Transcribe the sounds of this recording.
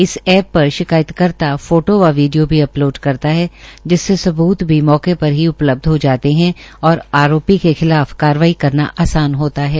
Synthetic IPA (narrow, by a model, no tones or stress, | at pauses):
ɪsɛːpːɐɾʃɪkaːjət̪kɐɾt̪afoːʈoʋaʋiːɖijobʱiɐploːɖkɐɾt̪aɦɛːd͡ʒɪsːesɐbuːt̪bʱimɔːkepɐɾɦiʊpləb̚d̪ʱɦod͡ʒaːt̪eɦɛ̃ɔːɾaːɾoːpikexɪlaːfkaːɾʋaːikɐɾnaʔaːsaːnɦoːt̪aɦɛː